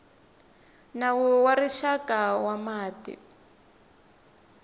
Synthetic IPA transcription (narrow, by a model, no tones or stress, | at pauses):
nawɔwariʃakawamaːtḭ